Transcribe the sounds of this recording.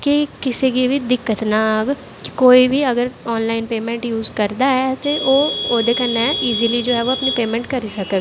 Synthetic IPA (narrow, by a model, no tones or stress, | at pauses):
kikɪseɡiʋid̪ɪkːət̪naɡ | ki̥koːibʱiəɡəɾɔːnlaːɪnpeːmɛ̃ːɳʈjuːzkəɾd̪aɦɛt̪eʔoːoːd̪ekənːɛ̃iːzilid͡ʒoːɦɛʋoɐpnipeːmɛ̃ːɳʈkəɾisəkəːɡ